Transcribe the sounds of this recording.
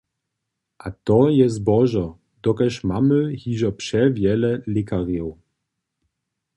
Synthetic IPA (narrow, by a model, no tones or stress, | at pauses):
ʔat̪ɔjɛzbɔʒɔ | d̪ɔkɛʃmaməhiʒɔpʂɛvjɛlɛlɪkaʁjɔw